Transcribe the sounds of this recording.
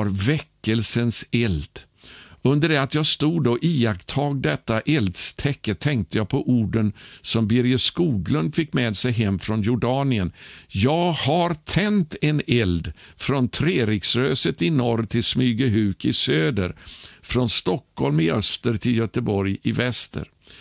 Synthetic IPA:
ɾvɛkːəlsənsɛld̪̥ | ɵnd̪əɖɛat̪jɑːst̪uːd̪oʔiːakt̪ʰɑːɡ̚d̪ɛt̪ːaʔɛld̪st̪ʰɛkːət̪ʰːɛŋk̚t̪əjɑːpʰɔʔuːɖənsɔmbɪɾjəskuːɡlɵnd̪fɪkːmeːd̪sɛjɦɛmːfɾɔnjʊɖɑːnɪənjɑːɡhaɾt̪ʰɛnt̪ɛnɛld̪fɾɔnt̪ʰɾeːɾɪksɾøːsət̪ɪnɔɾt̪ʰɪlsmyːɡəɦʉ̟ːkɪsøːd̪əɾfɾɔnst̪ɔkːhɔlmɪʔœst̪əɾt̪ʰɪljœt̪əbɔɾjɪvɛst̪ə̰ɾ

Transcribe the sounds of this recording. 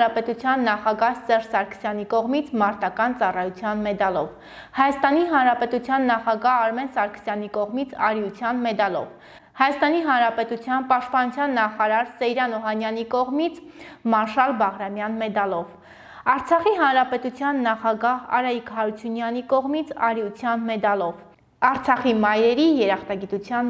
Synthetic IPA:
ɑpɛt̪ut͡sʰjɑnːɑχɑɡɑhsɛʒsɑɾkʰə̥sjɑnikɔʁmit͡sʰmɑɾt̪ɑkɑnt͡sɑrɑjut͡sʰjɑnmɛd̪ɑlɔv | hɑjɑst̪ɑniɦɑnɾɑpɛt̪ut͡sʰjɑnːɑχɑɡɑɦɑɾmɛnsɑɾkʰə̥sjɑn̪ikɔʁmit͡sʰɑɾjut͡sʰjɑnmɛd̪ɑlɔ̰v | hɑjɑst̪ɑniɦɑnɾɑpɛt̪ut͡sʰjɑnpɑʃt̪̚pɑnut͡sʰjɑnːɑχɑɾɑɾsɛjɾɑnɔɦɑnjɑnikɔʁmit͡sʰ | mɑɾʃɑlbɑʁɾɑmjɑnmɛd̪ɑlɔv | ɑɾt͡sʰɑχiɦɑnɾɑpɛt̪ut͡sʰjɑnːɑχɑɡɑɦɑ̰ɾɑikhɑɾut͡sʰunjɑnikɔʁmit͡sʰɑɾjut͡sʰjɑnmɛd̪ɑlɔv | ɑɾt͡sʰɑχimɑjɾɛɾijɛɾɑχt̪ɑɡit̪ut͡sʰjɑn

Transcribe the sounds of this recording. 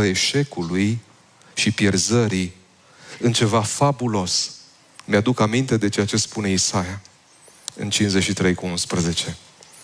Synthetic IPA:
əe̞ʃe̞kuluj | ʃipje̞rzəɾi | ɨnt͡ʃe̞vafabulo̞s | mjad̪ukamint̪e̞d̪e̞t͡ʃeat͡ʃe̞spune̞isaja | ɨ̰nt͡ʃinzeʃit̪ɾe̞jkuunspɾəze̞t͡ʃe̞

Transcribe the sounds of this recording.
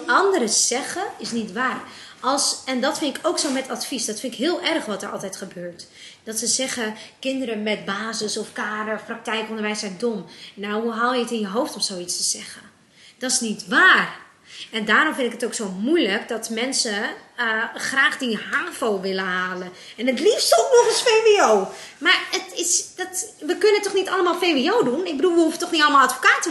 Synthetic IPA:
ɑndəɾəz̥ɛɣəɪsnitʋaːrɑlˠsɛndɔtfɪntɪkʰowksowmɛtʰatfisdɔtfɪntɪkɦɪːlˠɛrxʋɔtɛɹʔɑ̰lˠtɛjtχəbøːɹt | d̥ɔtsəzɛɣəkɪndəɾəmɛt̚baːzəsɔfkaːɾəfprɑk̚tɛjkɔndəɹʋɛjsɛdomnawɦuɦaːlˠjəətɪnjəɦowftɔmsowitstəz̥ɛɣə | d̥ɔtɪ̥snitʋaːr | ɛndaːɾɔmfɪnɪkətowksoːmujləkdɔtmɛnsə | xraːxdihaːvowʋɪləhaːlən | ɛnətlistoknɔχəsfeːʋiowmarətɪsdɔtʋəkønənətːɔχnitalˠəmalˠfeʋioːwdunɪɡ̚bədulˠʋəufətɔxnitɔlˠəmalˠatfo̥kaːtə

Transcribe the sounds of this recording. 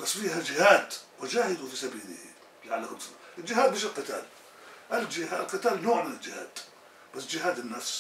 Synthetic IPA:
basːfiːɦad͡ʒɪhaːd̪wɪd͡ʒaːhɪd̪ufisabiːlɪ̰h | lɪʕalːakʊlːs | ʔɪld͡ʒɪɦaːd̪̚mɪːʃɪlqɨt̪a̰ːl | ʔɪld͡ʒɪha̰lqɨt̪aːlnoːʕmɪnɪld͡ʒɪha̰ːd̪̥ | b̥asːd͡ʒɪɦaːd̪ɪnːafs

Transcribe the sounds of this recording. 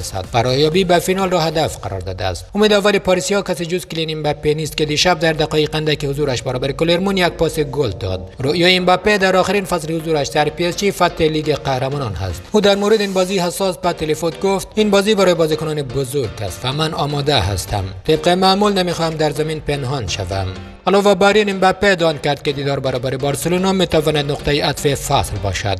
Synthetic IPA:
sa̰d̪̚faɾɔjɒbibafinɔlrɔhad̪afqa̰ɾɔ̰ɾd̪ɔ̰d̪a̰st̪umed̪avalipɔɾisijɔkasid͡ʒuzkilinimbapːenist̪ked̪iʃab̚d̪aɾd̪aqɔiqand̪akihuzuɾaʃbaɾɔːbaɾikoleɾmunjak̚pɔsiɡold̪ɔ̰d̪ɾoʔjɔinbapːed̪aɾɔχiɾinfaslihuzuɾaʃd̪aɾpiest͡ʃifat̪ːeliɡeqahɾamɔnɔnha̰st̪uːd̪aɾmowɾed̪inbɒːzihasɔsbat̪elefot̪ɡoft̪inbɒzibaɾɔːjebɔzikʊnɔnebʊzuɾɡa̰st̪vamanɒmɔd̪aɦa̰st̪ʰa̰mt̪ʰeb̚qemamulnameχɔhamd̪aɾzaminpenɦɔnʃa̰va̰m | alɔvabaɾinimbæpːed̪ɒnd̪̚kaɾd̪̚ked̪iːd̪ɔːɾbaɾɔːbaɾibɔɾselunɔmet̪avɔnad̪nʊqt̪ajiat̪fefaslbɔ̰ʃa̰d̪̥

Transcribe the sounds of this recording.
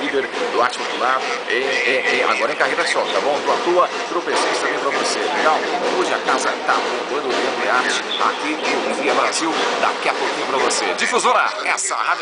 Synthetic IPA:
lid̪eɾd̪ʊaɾt͡ʃɪ̥populaɾʊẽẽẽa̰ɡɔɾɐ̃ẽkahejɾɐsɔ̃t̪abõw̃t̪õat̪oɐ | t̪ɾofesoɾist̪ɐ̃mbẽj̃pɾɐ̃voseluɡɐ̃oʒɪakazɐt̪abõb̪ɐ̃d̪ovĩɐ̃d̪ʊaɾt͡ʃɪ̥ | a̰kilkɪoviɐbɾaziwd̪a̰kiapokʊkĩɲɐpɾɐvosed͡ʒifuzõɾaɛsɐhad͡ʒ

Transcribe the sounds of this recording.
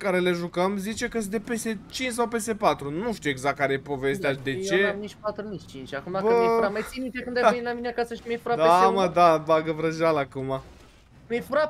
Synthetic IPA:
kaɾe̞le̞ʒukəmzit͡ʃe̞kəs̬d̪epeset͡ʃint͡ʃs̬awpe̞se̞pat̪ɾunuʃt̪ijeɡzak̚k̚kːaɾe̞jepo̞ve̞st̪ejad̪e̞t͡ʃe̞mnit͡ʃpat̪ɾunit͡ʃʲt͡ʃint͡ʃʲakumd̪abkəɾamajsinit̪ekɨnd̪aenilamineakasəʃmefɾad̪eaməd̪abaɡəvɾəʒalakuma | mefɾap

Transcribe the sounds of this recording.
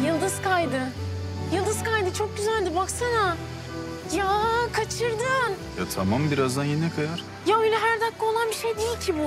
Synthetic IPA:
jɯlˠd̪ɯz̥kʰajd̪ɯjɯlˠd̪ɯz̥kajd̪ɯt͡ʃʰok̚ɟyzælʲd̪ibaksana | jakʰat͡ʃʰɯɾd̪ɯn | jat̪ʰamambiɾazd̪anjenɛkʰajaɾ̥ | jailʲɛɦæɾd̪akːao̞lˠanbiʃejd̪ejilʲcʰibu

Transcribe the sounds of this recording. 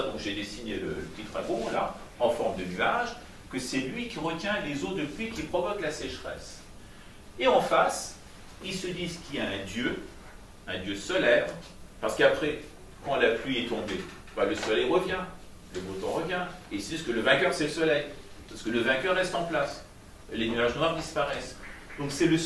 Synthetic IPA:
d̪ɔ̃kʒed̪esinelə̰ləpt̪it̪χa̰ɡõla̰ɑ̃fɔʁmd̪ənyaʒ | kəsɛlɥikʲiʁət̪jɛ̃lezod̪əplɥikʲipχɔvɔklasɛʃχɛ̰s | eɑ̃fas | ilsəd̪izkʲiljaɛ̃d̪jø | ɛ̃d̪jøsɔlɛvʁ | paʁsə̥kapχɛ | kɑ̃laplɥiɛt̪ɔ̃be | baləsɔlɛjʁəvjɛ̃ | ləbot̪ɑ̰̃ʁəvjɛ̃eilsəd̪izkələvɛ̃kœʁsɛləsɔlɛjpasə̥kələvɛ̃kœʁːɛst̪ɑ̃plas | lenyaʒnwaʁd̪ispaʁɛs | d̪ɔ̃ksɛlə

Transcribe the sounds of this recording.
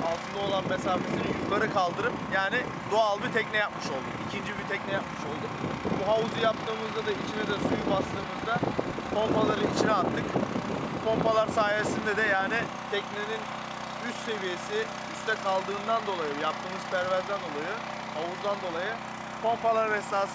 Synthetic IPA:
alˠt̪ʰɯnd̪ao̞lˠanme̞saːfesinijukk̪aɾɯkʰalˠd̪ɯɾɯpjaːnɪ | d̪oalˠbit̪ʰɛcnɛjapmɯʃo̞lˠd̪uicʰind͡ʒibit̪ʰɛcnɛjap̚mɯʃo̞lˠd̪ubuɦauzujap̚t̪ʰɯːmɯzd̪ad̪ait͡ʃʰinɛd̪ɛsujubast̪ɯːmɯzd̪a | pʰo̞mpalˠaɾɯit͡ʃʰiɾɛat̪ʰːɯk | pʰo̞mpalˠaɾsaːjesind̪ɛd̪ɛjaːni | t̪ʰɛcnenin | yst̪se̞vije̞si | yst̪ʰɛkʰalˠd̪ɯːnd̪and̪o̞lˠajɯjap̚t̪ʰɯːmɯz̥pʰæɾvæɾzd̪ænd̪o̞lˠajɯ | hauzd̪and̪o̞lˠajɯ | pʰo̞mpalˠaɾɯnɛsaːs

